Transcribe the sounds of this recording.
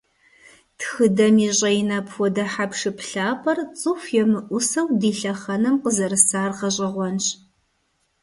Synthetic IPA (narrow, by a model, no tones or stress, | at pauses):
txɨdɐmiɕʼɐinɐpʰwɔdɐħapʰʂɨpɬaːpʰʼɐrt͡sʼɨxjɛmɨʔʷʊsɐwdiːɬɐχɐnɨmqəzɐɾɨsaːrqɐɕʼɐʁʷɔnɕʼ